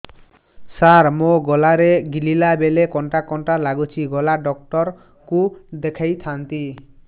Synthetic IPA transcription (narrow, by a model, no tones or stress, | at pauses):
saɾmoɡɔlaɾeɡililabelekɔɳʈakɔɳʈalaɡut͡ʃʰiɡɔlaɖɔk̚ʈɔɾ | kud̪ekʰajt̪ʰant̪i